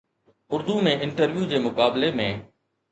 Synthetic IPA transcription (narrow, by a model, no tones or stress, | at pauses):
ʊɾd̪umẽʔɪɳʈəɾʋjuːd͡ʑeːmʊkaːblemẽː